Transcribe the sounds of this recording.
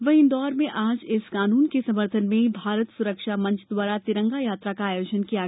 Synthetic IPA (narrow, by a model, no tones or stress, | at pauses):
ʋɐɦɪ̃nd̪ɔːɾmẽʔaːd͡ʒɪskaːnuːnkesɐməɾt̪ʰənmẽbʱaːɾət̪sʊɾəkʃamɐ̃nt͡ʃʰd̪waːɾat̪ɪɾə̃ŋɡajaːt̪ɾakaaːjoːd͡ʒənkiaː